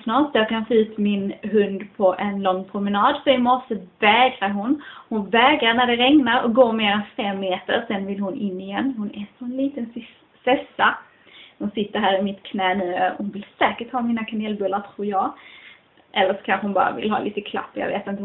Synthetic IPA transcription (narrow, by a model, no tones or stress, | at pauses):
snɑːʂjɑkʰanfoʉ̟ːt̪mɪnɦɵnd̪pʰɔʔɛnlɔŋːpʰɾʊmɛnɑːd̪sɔɪmɔʂəvɛːɡɾaɾɦʊnhʊnvɛːɡɾaɾnæɖɛɾɛŋnaɾɔ̰k̚ɡoːɾmeːɾɛnfɛmːeːt̪ə̰ɾsɛnvɪlhʊnʔɪnːɪjɛnːhʊnɛːsɔɛnliːt̪ən | sɛsːa | hʊnsɪt̪ːəɾɦæːɾɪmɪt̪kʰnɛːnʉːəɾhʊnvɪlsɛːkəʈhɑːmiːnakʰaneːlbɵlːaɾʈ̪ʰɾuːɾjɑːɡ | ʔɛlːəʂɔ̥kʰanxəhʊnbɑ̰ːɾa̰vɪ̰lɦɑ̰ːlḭːt̪əkʰla̰pːjɑ̰ɡvḛːt̪ɪnt̪ə